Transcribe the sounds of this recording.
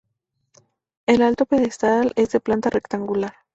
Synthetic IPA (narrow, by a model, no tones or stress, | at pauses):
elalt̪opeðest̪aalezd̪eplant̪arʔe̞kt̪aŋɡulaɾ